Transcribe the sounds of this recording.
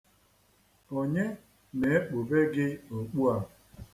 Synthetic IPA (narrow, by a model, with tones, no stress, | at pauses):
o˨ɲe˦ | ne˨e˦k͡po˨be˦ɡɪ˦o˨k͡pu˦a˨